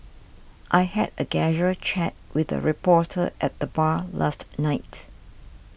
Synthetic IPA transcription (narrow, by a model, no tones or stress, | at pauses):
ʔajhɛ̰dəɡɛʒət͡ʃʰɛt̚wɪðə̰ɹipɔtʰə̰ʔɛt̚ðəbala̰stnaɪt